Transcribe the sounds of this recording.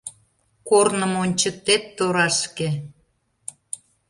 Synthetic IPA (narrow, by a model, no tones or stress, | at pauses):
kornə̆monʲt͡ɕək̚t̪et̪ːoɾɑʃke